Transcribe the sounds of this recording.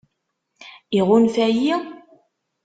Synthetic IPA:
iʁʊnfæji

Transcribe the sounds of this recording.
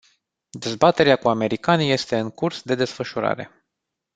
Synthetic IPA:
d̪e̞zbat̪e̞ɾeakuame̞ɾikanije̞st̪e̞ɨŋkursd̪e̞d̪e̞sfəʃuɾa̰ɾe̞̰

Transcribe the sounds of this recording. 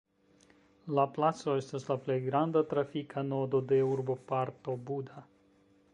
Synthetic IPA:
laplat̪so̞e̞staslaple̞jɡɾand̪at̪ɾafikʰano̞d̪o̞d̪e̞uɾbo̞paɾt̪o̞bud̪a

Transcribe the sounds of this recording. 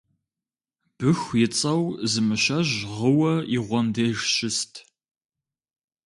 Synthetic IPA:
b̥ɨxʷjɪt͡sʼɐwzɨmɨɕɐʑʁəwɐiʁʷɔndeːʒɕɪstʰ

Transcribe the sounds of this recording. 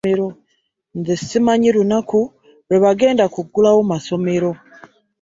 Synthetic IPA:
eɾo | nzisimaɲiɾunaku | ɾeβaɡe̞ːndakuɡulawomaso̞me̞ɾo̞

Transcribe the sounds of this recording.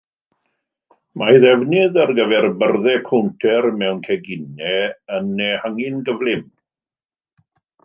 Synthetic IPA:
majðɛvnɪðarɡəvɛrbərðɛkʰowntʰɛrmɛwnkʰɛɡɪnɛənːɛhaŋɪnɡəvlˠɪm

